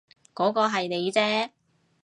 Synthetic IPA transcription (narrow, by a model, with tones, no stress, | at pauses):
kɔː˨˥kɔː˧ɦɐ˨jne˨˧jt͡sɛː˥